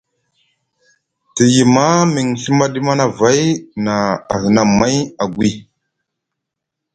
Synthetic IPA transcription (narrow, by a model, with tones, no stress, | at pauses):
ti˨ji˨ma˦mi˨ŋɬi˦ma˦ɗi˦ma˦na˨va˦jna˨a˨ɣi˨na˨mːa˦ja˨ɡʷwi˦